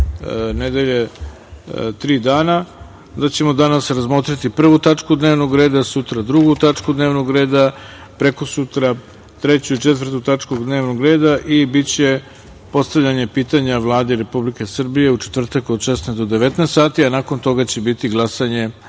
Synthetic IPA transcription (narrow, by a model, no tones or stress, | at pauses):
ned̪eʎe̞ | t̪ɾiːd̪aːna | d̪at͡ɕe̞mo̞d̪anasɾazmoːt̪ɾit̪ipr̩ʋut̪at͡ʂkud̪neːʋnoɡɾe̞ːd̪asut̪ɾad̪ɾuɡut̪at͡ʂkud̪neːʋnoɡɾe̞ːd̪a | pɾekosut̪ɾa | t̪ɾe̞t͡ɕuit͡ʃet̪ʋr̩t̪ut̪at͡ʂkoɡd̪neːʋnoɡɾeːd̪aʔibit͡ɕe̞ | po̞st̪aʋʎʲaɲe̞piːt̪aɲaʋlˠaːd̪eɾe̞publike̞sr̩bije̞ut͡ʃe̥t̪vr̩t̪akod̪ʃesnezd̪od̪e̞ʋe̞t̪neːst̪saːt̪ianako̞nt̪o̞ɡat͡ɕe̞bit̪iɡlˠasaɲe̞